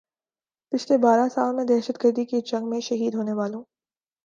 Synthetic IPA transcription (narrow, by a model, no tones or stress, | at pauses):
pɪt͡ʃʰlebaːɾasaːlmẽd̪ɛːʃət̪ɡəɾd̪iked͡ʒɐ̃ŋɡmẽʃɐɦiːd̪ɦoːneʋaːlõː